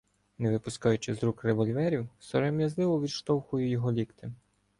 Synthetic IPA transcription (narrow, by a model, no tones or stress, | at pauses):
neʋɪpʊskajʊt͡ʃɪzɾukreʋɔlʲʋɛɾʲiwsɔɾɔmʲjɐzlˠɪʋɔʋʲid̪ʃt̪ɔwxʊjʊjɔɦɔlʲikt̪ɪ